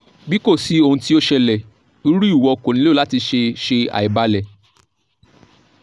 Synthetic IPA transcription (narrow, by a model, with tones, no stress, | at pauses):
bi˦ko˦˨si˨˦o˧˨ũ˧ti˦o˦ʃɛ˧lɛ˨ | u˦ɾi˦u˦˨wɔ˧ko˨nĩ˨˦o˦˨la˦ti˧ʃe˧ʃe˧a̰˨i˨ba˧lɛ˨